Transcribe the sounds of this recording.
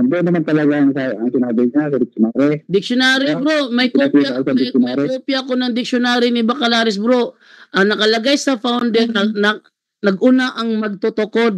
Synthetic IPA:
ɐnd̪ɛnːɐmant̪ɐlɐɡaŋsaɐŋsɪnaːbɪɲasɐd̪ɪk̚t͡ʃʊnaːɾɛd̪ɪk̚ʃonaːɾɪbɾoʔmɐjkoajaasɐd̪ɪjʊnaːɾɛkopjɐkonɐŋd̪ɪk̚ʃonaːɾɪnɪbɐkɐlaːɾɛs̬bɾoʔ | ʔɐnɐkɐlɐɡajsɐfawnd̪ɛɾnɐnɐ | nɐɡʔʊnaʔɐŋmɐɡ̚t̪ot̪oko̞d̪̚

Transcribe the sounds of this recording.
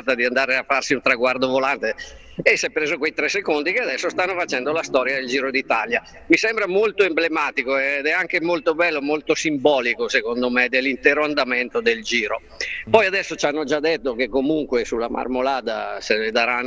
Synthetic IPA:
t̪ad̪iand̪aːɾeafːarsiunt̪ɾaɡward̪ovolant̪e | esːɛpːɾeːzokwejt̪ɾɛsːekond̪ikead̪ɛsːost̪anːofat͡ʃɛnd̪olast̪ɔːɾjad̪eld͡ʒiːɾod̪it̪alja | misɛmbɾamolt̪oemblemaːt̪ikoɛd̪ɛaŋkemolt̪obɛlːomolt̪osimbɔːlikosekond̪omed̪elːint̪ɛːɾoand̪amɛnt̪od̪eld͡ʒiːɾo | pɔjad̪ɛsːot͡ʃanːod͡ʒad̪ːet̪ːokekːomuŋkwesulːa̰mʔa̰rmolaːd̪a̰sened̪aɾan

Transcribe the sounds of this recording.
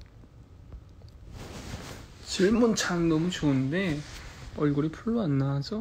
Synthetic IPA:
t͡ɕiɭmunt͡ɕʰaŋnʌmut͡ɕoɯnde̞ʌɭɡuɾipʰuɭːoanːaad͡ʑʌ

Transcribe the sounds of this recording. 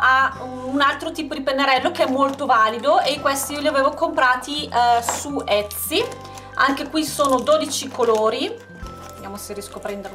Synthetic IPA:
a | unalt̪ɾot̪iːpod̪ipenːeɾɛlːokeɛmːolt̪ovaːlid̪oekːwest̪iiːoliaveːvokompɾaːt̪isuɛt̪si | aŋkekwisoːnod̪oːd̪it͡ʃikoloːɾi | d̪jaːmoserjɛskoapɾɛnd̪eɾ

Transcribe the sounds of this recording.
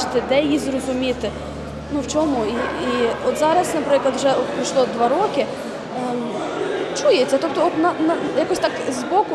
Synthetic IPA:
ɪt̪ɪd̪ɛjjizrɔzʊmʲit̪ɪ | nuwt͡ʃɔmuiiɔt̪zɑɾɐsnɐpɾɪklˠɐd̪wuʒɛʔɔt̪pɾiʃlˠɔd̪ʋɑɾɔkɪ | t͡ʃujet͡sʲːɐt̪ɔp̚t̪ɔɔt̪nɐnɐjɐkɔsʲt̪ɑkzbɔkʊ

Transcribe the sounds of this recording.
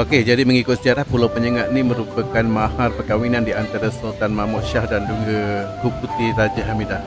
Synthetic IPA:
oked͡ʒadiməŋikʊt̪̚səd͡ʒaɾahpulawpəɲəŋaʔ̪̚nimə̃ɾupəkanmaharpərkawinãndiant̪aɾasult̪anmamɔʔ̪ʃahdanduŋɡəhuk̚ut̪iɾad͡ʒaɦamida

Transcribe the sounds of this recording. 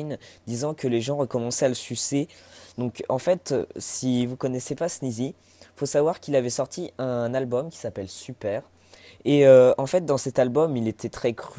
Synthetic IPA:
jnd̪izɑ̃kəleʒɑ̃ʁəkɔmɑ̃sɛaləsysed̪ɔ̃kɑ̃fɛt̪sivukɔnɛsepasnizi | fosavwaʁkilavɛsɔʁt̪ʰiɛ̃nalbɔmkʲi̥sapɛlsypɛʁ | eøɑ̃fɛt̪̚d̪ɑ̃sɛt̪albɔmilet̪ʰɛt̪χɛkχy

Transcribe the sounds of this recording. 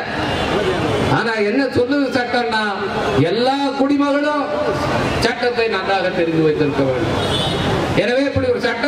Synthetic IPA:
aːnaːɛnːɐsɔlːɯðɯsɐʈːɐnːaː | ɛlːaːkʊɽɪmɐɣɐɭʊ̃ | t͡ʃɐʈːɐt̪ːɐɪnɐnraːɣɐt̪ɛɾɯnd̪ɯʋɐɪt̪ːɪɾɯkːɐʋḛːɳɖɯ̰m | ɛnɐʋeːɛpːɐɽiɔɾɯsɐʈːɐ

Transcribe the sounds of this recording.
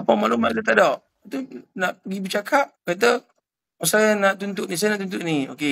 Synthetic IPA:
apamalumalət̪̬adɔʔ | at̪unaʔpəɡibət͡ʃakʰap̚kat̪̬ə | asajanaʔt̪unt̪uʔnis̬ajanaʔt̪̬unt̪uʔnioke

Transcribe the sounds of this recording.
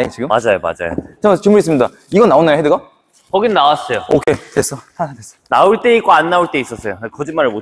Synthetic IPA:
et͡ɕiɡɯmmad͡ʑajoma̰d͡ʑa̰jo̰t͡ɕamat͡ɕɯmuɾis͈ɯmɲida | iɡʌnːaonːajohedɯɡa | kʌɡinnawas͈ʌjookʰe̞tes͈ʌtʰasʰates͈ʌ̥nauɭt͈e̞ik͈oanːauɭt͈e̞is͈ʌs͈ʌjokʌd͡ʑinmaɾɭmo

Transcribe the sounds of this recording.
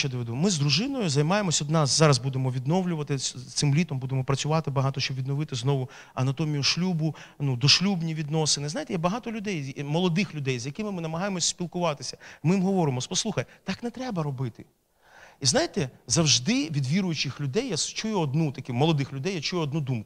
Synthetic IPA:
ɛd̪ɔʋed̪umɪzd̪ɾʊʒɪnɔjʊzɐjmɑjemɔsʲɔd̪nɑszɑɾɐzbud̪emɔʋʲid̪nɔʋlʲʊʋɐt̪ɪt̪sɪmlʲit̪ɔmbud̪emɔpɾɐt͡sʲʊʋɑt̪ɪbɐɦɑt̪ɔʃt͡ʃɔbʋʲid̪nɔʋɪt̪ɪznɔʋʊ | ɐnɐt̪ɔmʲijʊʃlʲubʊ | nud̪ɔʃlʲubnʲiʋʲid̪nɔsɪnɪznajt̪ɛjabɐɦɑt̪ɔlʲʊd̪ɛjmɔlˠɔd̪ɪxlʲʊd̪ɛjzjɐkɪmɪmɪnɐmɐɦɑjemɔsʲsʲpʲilˠkʊʋɑt̪ɪsʲɐ̥mɪjimɦɔʋɔɾɪmɔspɔslˠuxɐjt̪ɑknɛt̪ɾɛbɐɾɔbɪt̪ɪ | iznɑjɪt̪ɛzɐwʒd̪ɪʋʲid̪ʋʲiɾʊjʊt͡ʃɪxlʲʊd̪ɛjːast͡ʃujʊɔd̪̚nut̪ɐkʲumɔlˠɔd̪ɪxlʲʊd̪ɛjat͡ʃujʊɔd̪nud̪umkʊ

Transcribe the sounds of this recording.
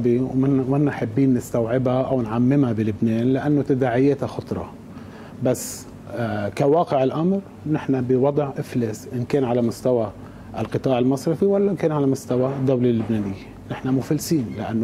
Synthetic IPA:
biwmɪnːaħabːiːnːɪst̪awʕɪbhaʔawnʕamːɪmabɪlɪbneːnlɪʔanːot̪ad̪aːʕɪjeːt̪axʊt̪ˤɾˤɑ̰ | basː | kawɑːqɪʕɪlʔamɾ | nɪħnabɪwɑd̪ˤʕʔɪfleːsʔɪnkeːnʕalamʊst̪awa | ʔlqɨt̪ˤɑːʕɪlmɑsˤɾɪfiwalːaʔɪnkeːnʕalamʊst̪awad̪ːawlalːʊbneːnɪjːe | nɪħnamʊfalːsiːnlɪʔa̰nː

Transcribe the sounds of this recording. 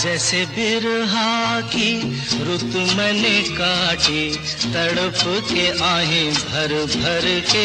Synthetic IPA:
d͡ʒɛːsebɪɾɦãːki | ɾʊt̪mɛnekaːʈʰi | t̪ɐɽəpkeʔãːɦẽbʱɐɾbʱɐɾke

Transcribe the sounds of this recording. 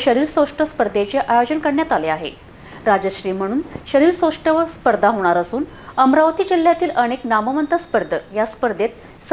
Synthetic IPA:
ɕəɾiːɾsoʂʈəspəɾd̪et͡ɕeʔajod͡ʑənkəɽɳjat̪aleaɦḛ | ɾad͡ʑəɕɾiːm̤əɽ̃uːnɕəɾiːɾsoʂʈəʋəspəɾd̪ʱaɦoɽ̃aɾəsuːn | əmɾaʋt̪iːd͡ʑil̤ːjat̪iːləɽ̃eknaməʋənt̪əspəɾd̪ʱəjaspəɾd̪et̪ | s

